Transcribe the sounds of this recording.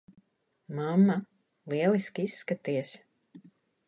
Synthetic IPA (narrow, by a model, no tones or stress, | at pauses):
mamːa | lˠiɛlˠiskʲisːkat̪iɛs